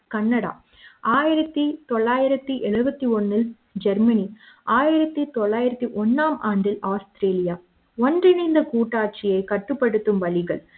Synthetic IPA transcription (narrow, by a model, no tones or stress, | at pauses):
kɐnːɐɽa̰ | aːjɪɾɐt̪ːit̪ɔɭːaːjɪɾɐt̪ːiʔɛɻɯbɐt̪ːiɔnːɪl | d͡ʒɛɾmɐni | ʔaːjɪɾɐt̪ːit̪ɔɭːaːjɪɾɐt̪ːiʔɔnːaːmaːɳɖɪlaːst̪ɾeːlɪja | ɔndrɪnɐɪnd̪ɐkuːʈːaːʈ̚t͡ʃɪjɐɪkɐʈːɯpːɐɽɯt̪ːɯmʋɐlɪɣɐɭ